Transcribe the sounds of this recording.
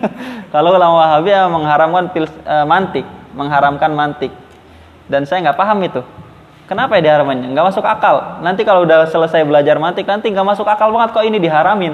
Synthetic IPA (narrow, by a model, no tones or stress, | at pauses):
kalolamwaɦabiaməŋɦaɾamkanpɪlsəmant̪ɪk̚məŋɦaɾamkanmant̪ɪk̚ | dansajaŋɡaʔpaɦamit̪ʊ | kənapajadiɦaɾamanɲaŋɡaʔmasʊkakalnant̪̬ikaloudahsələsajbəlad͡ʒarmant̪ɪk̚nant̪iŋɡaʔmasʊkakalbaŋət̪̚kaoinidiɦaɾamɪn